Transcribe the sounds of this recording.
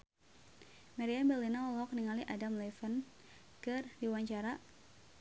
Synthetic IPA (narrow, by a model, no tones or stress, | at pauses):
maɾiambɛlinaɔlɔɔk̚niŋaliʔadamlɛfən | kɨrdiuwaɲt͡ʃaɾa